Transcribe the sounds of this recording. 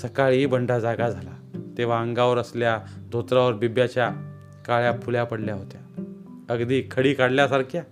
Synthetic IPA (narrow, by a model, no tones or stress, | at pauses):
səkaɭibəɳɖad͡zaɡad͡zʱalat̪eʋ̤aəŋɡaʋəɾəsljad̪ʱot̪ɾaʋəɾbibjat͡ɕja | kaɭjapʰuljapəɽljaɦot̪ja | əɡd̪iːkʰəɽiːkaɽljasaɾkʰja